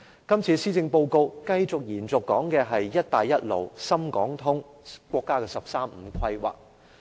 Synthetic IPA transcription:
kɐ˥mt͡sʰiː˨˧siː˥t͡sɪ˧ŋpo˧wko˧wkɐ˧jt͡sʊ˨k̚jiː˨˩nt͡sʊ˨kːɔː˨˥ŋkɛː˧ɦɐ˨jːɐ˥t̚t̪aː˨jːɐ˥t̚lo̰˨˩wsɐ˥mkɔː˨˥ŋt̪ʰʊ˥ŋkʷwʷɔː˧kːaː˥kɛː˧sɐ˨p̚saː˥m̩ː˨˧˥kʰɐ˧jwa̰ː˨˩k̚

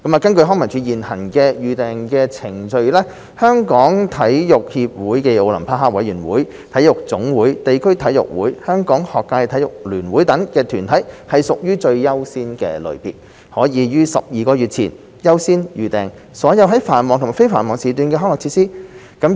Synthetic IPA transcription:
kɐ˨˥maː˨˧kɐ˥nkɵ˧ɥɦɔː˥ŋmɐ˨˩nt͡ʃʰy˨˧jiː˨˩nhɐ˨˩nkɛː˧jyː˨t̪ɛː˨ŋkɛː˧t͡sʰɪ˨˩ŋt͡ʃɵ˧ɥlɛː˥ | hœː˥ŋkɔː˨˥ŋt̪ʰɐ˨˥jjʊ˨k̚hiː˧p̚wuː˨˥jke˧jo˧wlɐ̰˨˩mpʰaː˧˥ɦaː˥wɐ˨˥jyː˨˩nwuː˨˥j | t̪ʰɐ˨˥jʊ˨k̚t͡sʊ˨˥ŋwuː˨˥jt̪e˨jkʰɵ˥ɥt̪ʰɐ˨˥jʊ̰˨k̚wuː˨˥jhœː˥ŋkɔː˨˥ŋhɔː˨kːaː˧jt̪ʰɐ˨˥jʊ˨k̚lyː˨˩nwuː˨˥jt̪ɐ˨˥ŋkɛː˧t̪ʰyː˨˩nt̪ʰɐ˨˥jhɐ˨jsʊ˨k̚jyː˥t͡ʃɵ˧ɥjɐ˥wsiː˥nkɛ̰ː˧lɵ̰˨˧ɥpiː˨t̚ | hɔː˨˥jiː˨˧jyː˥sɐ̰˨p̚jiː˨kɔː˧jy˨t̚t͡sʰḭː˨˩n | jɐ˥wsiː˥njyː˨t̪ɛː˨ŋ | sɔː˨˥jɐ˨˧wɦɐ˨˥jfaː˨˩nmɔː˨ŋt̪ʰʊ˨˩a˨˩fe˥jfaː˨˩nmɔː˨ŋsiː˨t̪yː˧nkɛ˧ɔː˥ŋlɔː˨kt͡sʰiː˧t̚siː˥ | kɐ˨˥m

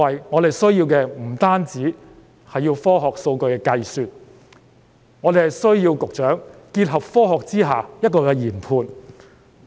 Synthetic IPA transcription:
ɐ˨jŋɔː˨˧ɾe˨˩jsɵ˥ɥjiː˧wkɛː˧m̩˨˩t̪aː˥nt͡siː˨˥ | hɐ˨jːiː˧wfɔː˥ɦɔː˨k̚so˧wkɵ˧ɥkɛː˧kɐ˧jsyː˨t̚ | ŋɔː˨˧d̪e˨jhɐ˨˩jsɵ˥ɥjiː˧wkʊ˨k̚t͡ʃœː˨˥ŋkiː˧t̚ɦɐ˨p̚fɔː˥ɦɔː˨k̚t͡siː˥ɦaː˨˩jɐ˥t̚kɔː˧kɛː˧jiː˨˩npʰuː˧n

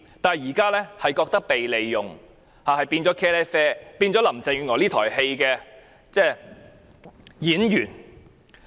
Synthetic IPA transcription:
t̪aː˨˩jjiː˨˩kaː˥lɛː˥hɐ˨jkɔː˧k̚t̪ɐ˥k̚pe˨jle˨jːʊ˨ŋ | haː˨hɐ˨jpiː˧nt͡sɔː˨˥kʰɛː˥lɛː˥fɛː˥piː˧nt͡sɔː˨˥lɐ˨˩mt͡sɪ˨˧ŋyː˨˧ŋɔː˨˧liː˥t̪ʰɔ̰ː˨˩jhe˧jkɛː˧ | t͡sɛː˥˩ | jiː˨˥njyː˨˩n

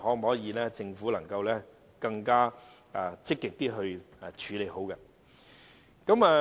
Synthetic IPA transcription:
ɦɔː˨˥˨hɔː˨˥jiː˨˧lɛː˥t͡sɪ˧ŋfuː˨˥lɐ˨˩ŋkɐ˧wlɛː˥ | kɐ˧ŋkaː˥˨ | t͡sɪ˥kːɪ˨k̚t̪iː˥ɦɵ˧ɥ | t͡ʃʰyː˨˥le˨˧jho˨˥wkɛ˧ | kɐ˨˥mɛ˧

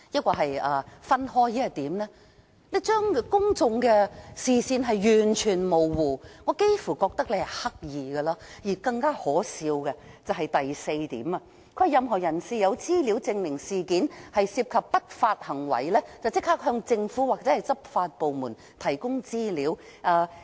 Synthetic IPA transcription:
jɐ˥t̚kɔː˧˩ɦɐ˨jɐː˨˩fɐ˥nhɔː˥jji˥ɐ˧˩t̪iː˨˥mlɛː˥ | le˨˧˥t͡ʃœː˥ŋkʊ˥ŋt͡sʊ˧ŋkɛ˧siː˨siː˧nɦɐ˨jjyː˨˩nt͡ʃʰyː˨˩nmo˨˩wwuː˨ŋɔː˨˧˥ke˥jfuː˨˩kɔː˧k̚t̪ɐ˥k̚le˨˧jhɐ˨˩jhɐ˥k̚jiː˨ɡɐ˧laː˥jiː˨˩kɐ˧ŋkaː˥hɔː˨˥siː˧wkɛ˧ | t͡sɐ˨wɦɐ˨jt̪ɐ˨jse˧jt̪ḭː˨˥mɐː˧ | kʰɵ˧˥hɐ˨jɐ˨mɦɔː˨˩jɐ˨˩nsiː˨˩jɐ˨˧wt͡siː˥li˨˥wt͡sɪ˧ŋlɪ˨˩ŋsiː˨˩kiː˨˥nhɐ˨jsiː˧p̚kʰɐ˨pːɐ˥t̚faː˧t̚hɐ˨˩ŋwɐ̰˨˩jlɛː˥t͡swt͡sɪ˥k̚haː˥k̚hœː˧ŋt͡sɪ˧ŋfuː˨˥waː˨˩k̚t͡sɛː˨˥hɐ˨˩jt͡sɐ˥p̚faː˧t̚po˨wmuː˨˩n | t̪ʰɐ˨˩jkʊ˥ŋt͡siː˥liː˨˥w | ʔaː˧

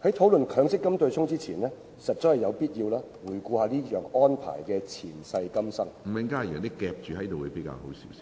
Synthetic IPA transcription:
hɐ˨˥jt̪ʰo˨˥wlɵ˨nkʰœː˨˧ŋsɪ˥kːɐ˥mt̪ɵ˧ɥsʰʊ˥ŋt͡siː˥t͡sʰiː˨˩nlɛː˥ | sɐ˨t̚t͡sːɔ˨˥hɐ˨jɐ˨˧wpiː˥t̚jiː˧wlaː˥ | wuː˨˩jkuː˧haː˨˧liː˥jœː˨ŋɔː˥npʰa̰ː˨˩jkɛː˧t͡sʰiː˨˩nsɐ˧jkɐ˥msɐ˥ŋm̩˨˩mɪ˨˥ŋkaː˥˨j̪ne˨˥kɛː˧p̚t͡ʃyː˨˩hɐ˨˦jt̪o˨wku˨˥jpe˨˥jka̰ː˧who˨˥wsiː˨˥wsi̥

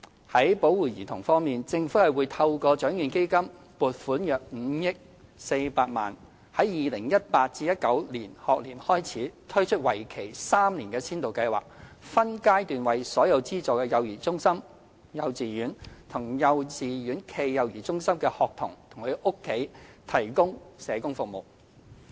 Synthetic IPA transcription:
hɐ˨˥jpo˨˥wuː˨˩jiː˨˩t̪ʰʊ̰˨˩ŋfɔː˥ŋmiː˨nt͡sɪ˧ŋfuː˨˥hɐ˨jwuː˨˧jt̪ʰɐ˧wkɔː˧t͡ʃœː˨˥ŋjyː˨nke˥jkɐ˥m | puː˨˩t̚fuː˨˥njœː˨k̚m̩˨˧jɪ˥k̚ | se˧jpaː˧t̚ma̰ː˨n | hɐ˨˥jjiː˨lɪ˨˩ŋjɐ˥t̚paː˧t̚t͡siː˧jɐ˥t̚kɐ˨˥wliː˨˩nhɔː˨k̚liː˨˩nhɔː˥jt͡sʰiː˨˥t̪ʰɵ˥ɥt͡ʃʰɵ˥t̚wɐ˨˩jkʰe˨˩jsaː˥mliː˨˩nkɛː˧t͡sʰiː˥nt̪o˨wkɐ˧jwa̰ː˨k̚fɐ˥nkaː˥jt̪yː˨nwɐ˨jsɔː˨˥jɐ˨˧wt͡siː˥t͡sɔː˨kɛː˧jɐ˨wjiː˨˩t͡sʊ˥ŋsɐ˥m | jɐ˨˧wt͡siː˨jyː˨˥nt̪ʰʊ˨˩ŋjɐ˨˧wt͡siː˨ɥyː˨˥nkʰe˧jːɐ˨wjiː˨˩t͡sʊ˥ŋsɐ˥mkɛː˧hɔː˨k̚t̪ʰʊ˨˩ŋt̪ʰʊ˨˩ŋkʰɵ˨˧ʔʊ˥kʰːe˨˥jt̪ʰɐ˨˩jkʊ˥ŋsɛː˨˧kʊ˥ŋfʊ˨k̚mo̰˨˩w

